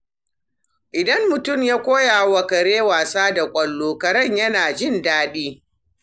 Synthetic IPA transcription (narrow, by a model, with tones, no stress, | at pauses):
ʔɪ˨dɐ˦mːʊ˨tʊ˦˨mjaː˦kʷoː˦jaː˨wɐ˨kɐ˨ɾeː˦waː˨saː˦da˨kʷʼɐ˨lːoː˨kɐ˨ɾɐ˦˨ɲjɐ˦naː˨d͡ʒɪ˦˨ndaː˦ɗiː˦